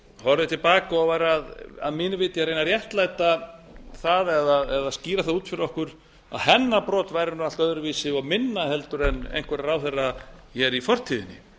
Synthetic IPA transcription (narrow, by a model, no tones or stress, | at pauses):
hɔɾðɪt̪ʰɪlpaːkaɔɣvajɾaða̰ðmɪːnʏvɪːt̪ɪaɾrejnarjɛht̪lajt̪aθaðɛðaðɛðasciːɾaθaðuːt̪fɪɾɪɾɔhkʏɾ̥ | a̰ðhɛnːapɾɔːt̪vajɾɪnʏalt̪œðʏɾviːsɪɔɣmɪnːahɛl̪t̪ʏɾɛnḛjn̥kʰvɛɾaɾawθɛrːajɛɾifɔr̥t̪ʰiːðɪnːɪ̰